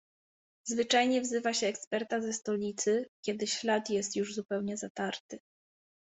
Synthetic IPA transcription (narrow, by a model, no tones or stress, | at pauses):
zvɘt͡ʂajɲɛvzɘvaɕɛːkspɛɾt̪azɛst̪ɔlʲit̪sɘkʲjɛd̪ɘɕlat̪jɛst̪juʐzupɛwɲɛzat̪aɾt̪ɘ